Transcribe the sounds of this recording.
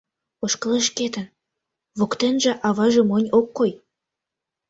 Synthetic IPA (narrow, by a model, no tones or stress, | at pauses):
oʃkəleʃket̪ən | βokt̪enʒĕʔɑβɑʒĕmonʲokːoj